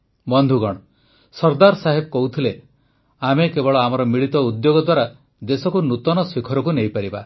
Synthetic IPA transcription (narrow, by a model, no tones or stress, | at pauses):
bɔnd̪ʱuɡɔɽ̃ɔ | sɔɾd̪aɾsaɦebɔkɔɦut̪ʰile | amekebɔɭɔamɔɾɔmiɭit̪ɔud̪joɡɔd̪waɾa | d̪esɔkunut̪ɔnɔsikʰɔɾɔkunejpaɾiba̰